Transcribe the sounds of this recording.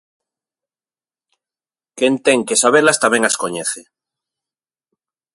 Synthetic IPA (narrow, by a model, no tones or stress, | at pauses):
kent̪eŋkesaβ̞elast̪ameŋasko̞ɲeθe